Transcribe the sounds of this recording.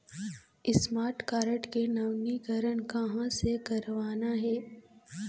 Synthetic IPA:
ɪsmaːɾʈkaːɾəʈkenɐʋnikɐɾənkɐɦãsekɐɾʋaːnaɦɛː

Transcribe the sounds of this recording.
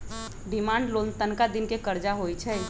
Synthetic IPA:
ɖimãːɳɖlolnt̪ənkad̪inkekəɾd͡ʒaɦojt͡ʃʰɛ

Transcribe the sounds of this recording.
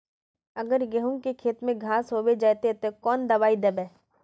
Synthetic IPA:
ɐɡəɾɡeɦũkekʰeːt̪mẽɡʱaːsɦoːwed͡ʒaːt̪et̪okɔːnd̪ɐʋaːid̪ɐbɛː

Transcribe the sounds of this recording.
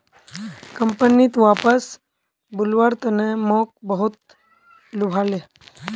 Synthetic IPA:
kəmpənit̪ʋaːpəs | bʊlʋaɾt̪ənemoːk̚bəɦut̪̚ | lubʱaːle

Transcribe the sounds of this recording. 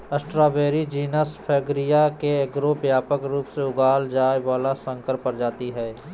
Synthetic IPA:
əsʈɾaːbeːɾid͡ʒiːnəspʰɛːɡɾijakeeɡɾobjaːpəkɾuːpseʊɡaːld͡ʒaːjʋaːlasə̃ŋkəɾpəɾd͡ʒaːt̪iɦɛː

